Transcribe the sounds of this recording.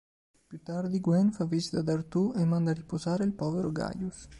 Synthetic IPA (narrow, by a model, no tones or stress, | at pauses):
pjut̪ːard̪iɡwɛnfavizit̪ad̪art̪uʔemːand̪aripozaːɾeilpɔːveɾoɡa̰jus